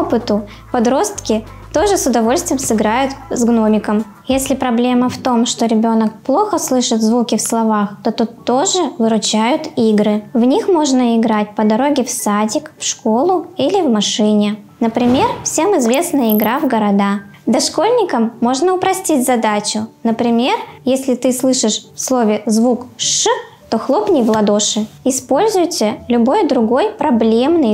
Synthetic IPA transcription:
opɨt̪ʊ | pɐd̪ɾo̞st̪kʲɪ | t̪o̞ʐɨsʊd̪ɐvo̞lʲsʲt̪vʲɪjɪmsɨɡɾajʊt̪zɡno̞mʲɪkəm | jesʲlʲɪpɾɐblʲe̞mːəft̪o̞mʂt̪o̞ɾʲɪbʲo̞nək̚plˠo̞xəslˠɨʂɨt̪zvukʲɪfslˠɐvaxt̪o̞t̪ut̪ːo̞ʐɨvɨɾʊt͡ɕæjʊt̪iɡɾɨvnʲixmo̞ʐnəɪɡɾat̚ʲpəd̪ɐɾo̞ɡʲɪfsadʲɪkfʂko̞lˠʊilʲɪvmɐʂɨnʲɪ | nəpɾʲɪmʲe̞rfsʲe̞mɪzvʲe̞snəjəɪɡɾavɡəɾɐd̪a | d̪ɐʂko̞lʲnʲɪkəmːo̞ʐnəʊpɾɐsʲtʲitʲzɐd̪at͡ɕʊnəpɾʲɪmʲe̞rjesʲlʲɪt̪ɨslˠɨʂɨʂfslˠo̞vʲɪzvukʂ | t̪o̞xlˠo̞pnʲɪjvlˠɐd̪o̞ʂɨɪspo̞lʲzʊjtʲɪlʲʊbo̞jd̪ɾʊɡo̞jpɾɐblʲe̞mnɨj

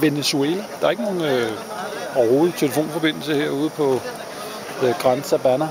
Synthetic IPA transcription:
ʋe̝ne̝sueːlæd̥ɑ̈ɐe̝ɡ̥əno̝ːn̩ø | ɒɐho̝ːðˠit͡sʰe̝ləfo̝̰ːnfɒ̽b̥e̝n̰l̩səheɐ̰uːð̞ˠpʰɒ̽ | ɡ̥ʁɑnsæb̥ænɐ

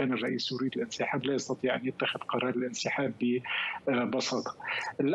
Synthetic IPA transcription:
aːnɪrˤːɑʔiːsjʊɾiːd̪ɪlʔɪnsɪħaːblaːjɑst̪ɑt̪ˤiːʕʔanjɪt̪ːaxɪðqɑɾˤɑːɾˤɪlʔɪnsɪħaːbːɪ | bɑsɑːt̪ˤɑ̥ʔɪlʔ

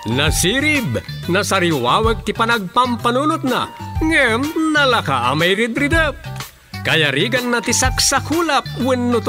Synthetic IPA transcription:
nɐsiːɾɪbnɐsaɾiwaːwək̚t̪ipanaɡ̚pampanunʊt̪̚na̰ŋɛmnɐlaka̰ʔa̰majɾɪd̪ɾɪd̪əp̚ | kɐjaɾiːɡanːat̪isaksakulap̚wɪnːʊt̪

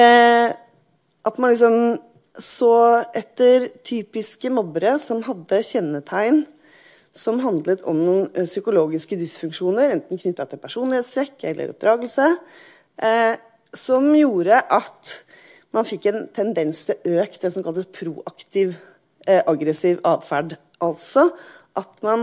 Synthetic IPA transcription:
ʔɑt̪mɑnlɪks̬ɔm | soːʔɛt̪ːəɾt̪ʰyːpɪskəmɔbəɾəsɔmɦɑd̪ːəçɛnːət̪ʰæɪn | sɔmɦɑnd̪lət̪ʰɔ̰mnuːnsʏkʊloːɡɪskəd̪ʏsfʉŋkʂuːnəɾɛnt̪n̩kʰnʏt̪ːɑt̪ʰɪlpʰæʂuːnlheːt̪st̪ʰɾɛkːɛ̰lːʔə̰ɾɔ̰p̚d̪ɾɑːɡəlsə | sɔmjuːɾəʔɑt̪ | mɑnfɪkːɛnt̪ʰɛnd̪ɛnst̪ʰɪløːk̪̚d̪ɛsɔmkɑlt̪əspʰɾuːʔɑkt̪ɪʋ | ʔɑɡɾəsɪʋɑːʋfæɖ | ʔɑlt̪sɔʔɑt̪mɑn

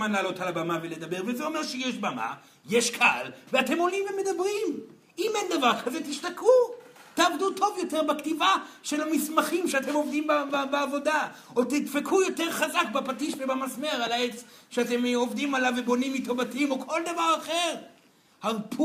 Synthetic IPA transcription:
manlaːlo̞talabamavele̞d̪abeʁvezeomeʁʃejeʃbama̰ | jeʃkʰaa̰lveate̞mo̞limveme̞dabʁim | imend̪avaʁkʰazetiʃtaku | taːvdutʰo̞vjo̞te̞ʁbaktivaʃe̞lamismaχimʃeatemo̞vdimbbeavo̞daotitfekʰujo̞teʁχazakbapatiʃvebamasmeʁalaet͡sʃeate̞mo̞vdimalavebo̞nimːito̞vatimo̞kʰo̞ld̪avaʁaχeʁ | haʁpʰ

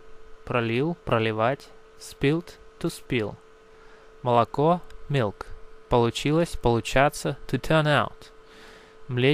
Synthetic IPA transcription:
pɾɐlʲilˠpɾəlʲɪvatʲ | spʲilˠt̪t̪uspʲilˠ | məlˠɐkomʲilˠkpəlˠʊt͡ɕilˠəsʲpəlˠʊt͡ɕat̪sət̪ʊt̪ʰɛrnawʊt̪ | mlʲe

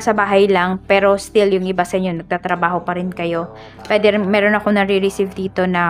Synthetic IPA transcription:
sɐbaːɦɐjlɐŋpɛːɾo̞st̪ɪljʊŋʔɪbasɐɪɲonɐɡ̚t̪aːt̪ɾɐbaːɦo̞pɐɾɪnkɐjo̞ | pwɛːd̪ɛɾmɛːɾo̞nɐkoŋnɐɾiɾɪsivd̪iːt̪o̞nɐ

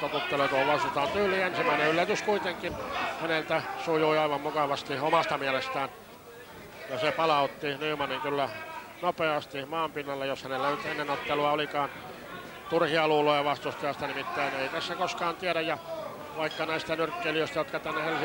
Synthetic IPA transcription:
t̪oput̪ːelet̪uoʋʋɑst̪ut̪ɑːnt̪yːlːˑiːensimæineylːæt̪yskuit̪eŋkˑinhænelt̪æsujuiɑiʋɑmmukɑʋɑst̪iomɑst̪ɑmiælest̪æːn | jɑsepɑlɑut̪ːiniːmɑniŋkylːæ | nopeɑst̪imɑːmpinːɑlːejoshænelːænyt̪enːenot̪ːeluɑolikɑːn | t̪urhiɑluːloːjɑʋɑst̪ust̪eɑst̪ɑnimit̪ːæːnneit̪æsːækoskɑːnt̪iæɾæjjɑ | ʋɑikːɑnæist̪ænyrkːelijøist̪ɑjot̪kɑt̪ænːehel

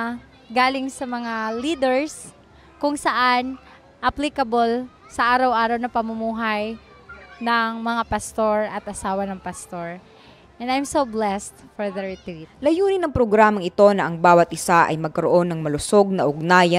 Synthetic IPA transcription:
ɡaːlɪŋsɐmɐŋaliːd̪ɛɹs | kʊŋsɐʔan | ʔɐplikɐbol | sɐʔaːɾɐwʔaːɾɐwnɐpɐmʊmuːɦɐj | nɐŋmɐŋapɐst̪o̞ɹʔɐt̪ʔɐsaːwɐnɐŋpɐst̪o̞ɹ | ʔɛ̃nd̪ajmsoblɛst̪foɹðɐɹɪt̪ɾit̪lɐjuːnɪnɐŋpɾoɡɾaːmɐŋɪt̪o̞nɐʔɐŋbaːwɐt̪̚ʔɪsaʔɐ̰jmɐɡ̚kɐɾoʔo̞nːɐŋmɐlʊsoɡ̚nɐʔʊɡ̚naːjɐ

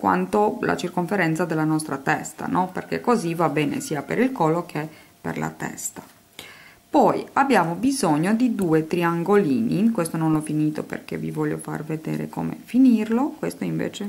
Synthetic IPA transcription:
kwa̰nt̪ola̰t͡ʃirkoɱfeɾɛnt̪sad̪elːanɔst̪ɾat̪ɛst̪a̰nɔperkekːozivabɛːnḛsiːapeɾilkɔlːokʰe | pḛrla̰t̪ɛ̰st̪ḁ | pɔjabːjaːmobizoɲːod̪id̪uːet̪ɾiaŋɡoliːnikwest̪ononlɔfiniːt̪opḛrkevivɔʎːo̰fa̰rved̪ɛ̰ːɾḛko̰ːmḛfinirlokwest̪oiɱvḛːt͡ʃe

